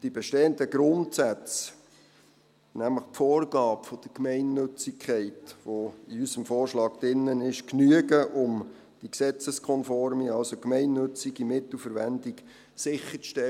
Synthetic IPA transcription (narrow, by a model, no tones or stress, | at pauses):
d̥ibɛʃteːəndəɡɾʊntsæt͡s | næmləχtfoːɾɡɑːpfɔd̥əɾkmɛɪnːøt͡sɪkʰχɛɪtʋoiysəmfɔːrʃlɑːɡ̥d̥ɪnːənɪʃknyəɡəʔʊm | d̥iksɛt͡səskʰɔnfɔɾmiɑlsokmɛɪnːɵt͡siɡimɪt̪l̩fəɾʋɛndiɡ | sɪχət͡sʃtɛ